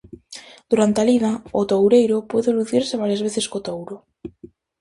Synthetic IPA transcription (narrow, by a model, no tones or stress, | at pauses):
d̪̥uɾant̪ealiðaʊt̪owɾejɾʊpweðeluθiɾseβaɾjazβeθeskot̪owɾʊ